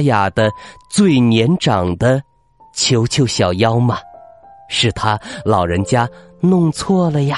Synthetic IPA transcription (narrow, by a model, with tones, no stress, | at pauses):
ja˨˩d̪ə˦t͡swe˥˩ɪnjɛ˧˥nʈ͡ʂɑ˨˩ŋd̪ə˦ | t͡ɕʰjo˧˥ʊt͡ɕʰjo˧˥ʊɕjɑ˨˩ʊjɑ˥ʊmɐ˨ʂɻ̩˨˩t̪ʰa˥lɑ˨˩ʊɻə˧˥nt͡ɕja˥ | nʊ˥˧ŋt͡sʰwɔ˥˩lə˨ja˨˩